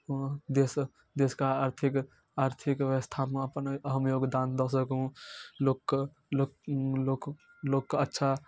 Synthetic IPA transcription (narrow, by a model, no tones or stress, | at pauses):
d̪es | d̪eskaaɾt̪ʰik | aɾt̪ʰikʋəst̪ʰameəpənəɦəmjoɡd̪and̪əsəkɦũlokː | o | lokːətːʃʰa